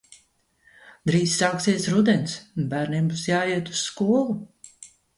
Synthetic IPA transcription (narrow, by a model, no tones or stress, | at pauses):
d̪ɾiːsːaːksiɛsɾud̪ɛnsnbæːɾnimbusjaːiɛt̪u̥sskuɔlˠu